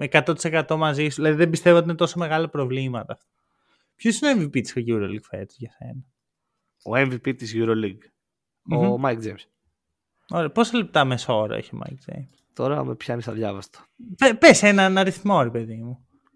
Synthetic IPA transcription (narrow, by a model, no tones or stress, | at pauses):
ekɐt̪o̞t̪i̥sekɐt̪o̞mɐzisuðilɐðiðembist̪e̞voot̪inet̪o̞some̞ɣɐlɐpɾo̞vlimɐt̪ɐːft̪o̥ | pçosinoeɱvipit̪i̥soʝuɾoliɡfḛt̪zʝɐse̞̰nɐ | oeɱvipit̪izʝuɾoliɡ | momɐjk̚d͡ʒejms | oɾepo̞sɐlep̚t̪ɐmeso̞ɾɐ̰ḛçio̰mʔɐ̰jk̚d͡ʒḛjmst̪o̞ɾɐmepçɐnisɐðʝɐvɐst̪ɐ̥pepesenɐnɐɾiθmo̞ɾepe̞ðimu